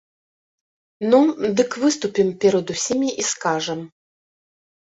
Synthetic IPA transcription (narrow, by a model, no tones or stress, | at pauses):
nɔd̪ɨkvɨst̪upʲimpʲɛɾɐd̪usʲimʲiʔiskaʐɛm